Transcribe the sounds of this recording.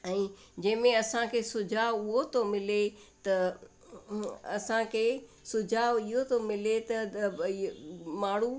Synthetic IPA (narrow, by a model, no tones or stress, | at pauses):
ɛ̃ːd͡ʑɐ̃ɦɪ̃mẽɐsãkʰeːsʊd͡ʑʱaːʋʊɦot̪ʰomɪlet̪ɐ | ɐ̰sãkʰeː | sʊd͡ʑʱaːʋiɦot̪ʰomɪlet̪ɐ | maːɽ̤u